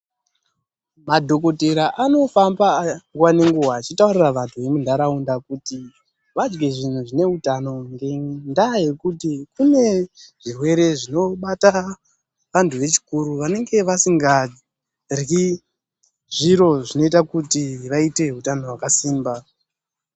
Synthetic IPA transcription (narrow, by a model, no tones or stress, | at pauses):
madʱo̞ko̞teɾaʔano̞fambaŋɡwane̞ŋɡuɦaːt͡ʃitauriraʋantʰuʋe̞mundʱaɾaundakuti | ʋad͡ʒɡe̞ʐin̤uʐine̞utano̞ŋɡendaje̞kutikune̞ʐ̥irwe̞ɾe̞ʐino̞ɓata | ʋantʰuʋe̞t͡ʃi̥kuɾuʋane̞ŋɡe̞ʋasiŋɡa | ri | ʐiɾo̞ʐino̞itakutiʋaite̞ɦutano̞wakasiːmba